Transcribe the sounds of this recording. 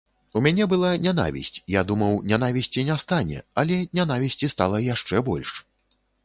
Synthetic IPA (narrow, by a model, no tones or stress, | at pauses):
umʲanʲɛbɨlˠanʲana̰vʲḭsʲt͡sʲjad̪umɐwnʲanavʲisʲt͡sʲinʲast̪anʲɛ̰ɐlʲɛnʲanavʲisʲt͡sʲist̪alˠɐjaʂt͡ʂɛbɔlʲʂ